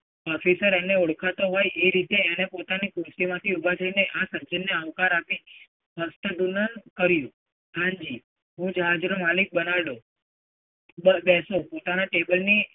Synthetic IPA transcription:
ɔfisəɾɛneoɽkʰat̪oɦɔjeɾit̪eːnepot̪anikusimãt̪ʰiubʱat̪ʰəineʔasə̃ɲt͡ʃənjəəʋkaɾapi | ɦəst̪əd̪unənkəɾjũ | kãɲd͡ʒi | ɦũd͡ʒəɦad͡ʒɾomalik̚bənaʋɽo | əbɛsopot̪anaʈebəlni

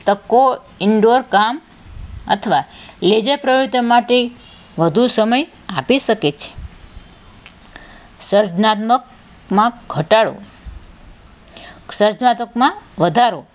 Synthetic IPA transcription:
t̪əkːo | ɪɳɖoɾkam | ə̰t̪ʰəʋaled͡ʒepɾəjɾut̪əmaʈe | ʋəd̪ʱusəməj | apiʃəket͡ʃʰe̥ | səɾd͡ʒnat̪mək | mãɡʱəʈaɽo̰ | səɾd͡ʒnat̪əkmãʋəd̪ʱaɾo

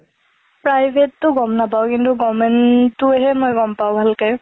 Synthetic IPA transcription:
pɹajbʱetːʊɡɔmnapaʊkintuɡɔmɛntʊɛɦɛmojɡɔmpaʊ̃bʱalkɛ

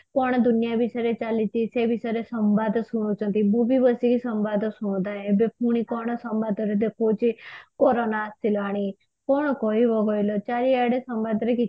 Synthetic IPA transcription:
kɔɳ̃d̪unijabisaɾet͡ʃalit͡ʃ̪isebisaɾesəmbad̪ʱsuɽ̃ũt͡ʃʰənt̪imubibəsikisəmbad̪sũd̪aɦẽbep̚ʰuɽ̃ikɔɳ̃ɔsəmbad̪ʱɔɾed̪ekʰot͡ʃikɔɾonaːst̪ilɔaɽ̃i | kɔɽ̃kɔɦiʋɔɡɔjlɔt͡ʃaɾiaɽesəmbad̪ʱɾeki

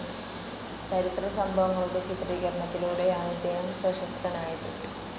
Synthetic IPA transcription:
t͡ɕɐɾit̪rɐsɐmbʱɐʋɐŋːɐɭuɽet͡ɕit̪ɾiːɡɐɾɳɐt̪ːiluːɽeaːnɐd̪ejumpɾɐɕɐst̪ʰɐnaːjit̪ṵ

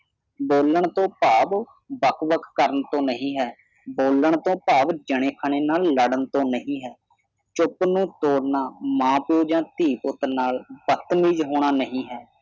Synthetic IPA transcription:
boːləɳt̪õːpaːb | bəkʰʋəkʰkəɾənt̪õːnəɦĩːɦɛː | boːləɳt̪õːpaːbd͡ʒəɽ̃eːkʰəɳ̃eːnaːlːəɽənt̪õːnəɦĩːɦɛː | t͡ʃʊpnũːt̪oːɽnaːmãːpoːd͡ʒãːt̪iːpʊt̪naːlbət̪miːd͡ʒɦoːɳ̃aːnəɦĩːɦɛː

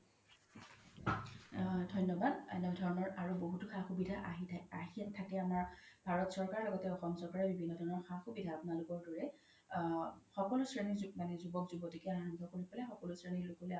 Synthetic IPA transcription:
dʱɔjnːɔbadɔdʱɔɹɔnɔɹaɹuboɦutʊxaxubidʱaʔaɦiaɦitʰːakɛamaɹbʱaɹɔtsɔɹkaɹɔlɔɡɔtɛɔxɔmsɔɹkaɹɛbibʱinːɔdʱɔɹɔnɔɹxaxubidʱaːpunalʊkɔɹdɔɹɛ | xɔkɔlʊsɹenizmanɛzubɔkzubɔtikɛaɔŋkʰɔkoɹipalɛxɔkɔlʊsɹenilukɔlɛ

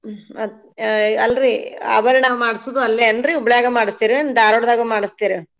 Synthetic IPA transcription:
ɐ | ɐlɾiɐ̰ʋɐɾenaːʋumaːɽisod̪uɐlːeɐnd̪ɾiubɐɭjaːɡɐmaːɽist̪iːɾiɐnd̪aːɾoɽd̪aːɡɐmaːɽist̪iːɾi

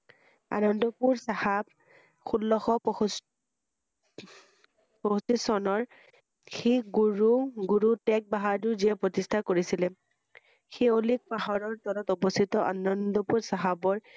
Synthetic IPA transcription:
a̰nɔndɔpuɹsahab̚ | xulːɔxɔp | posisɔnɔɹ | xiɡuɹuɡuɹutɛk̚baɦaɹdʊziɛpɹɔtistʰakoɹisilɛ | xeolik̚paɦɔɹɔɹt̪ɔlɔtɔbɔstʰitɔʔa̰nɔndɔpuɹsaɦabɔɹ

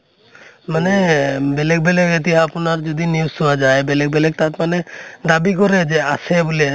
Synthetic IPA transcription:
manɛbɛlɛk̚bɛlɛkɛt̪̬iaːpɔnaɾd͡ʒɔd̪iniusɔwad͡ʒajbɛlɛk̚bɛlɛk̚t̪at̪manɛd̪abikɔɾɛd͡ʒɛasɛbulɛ

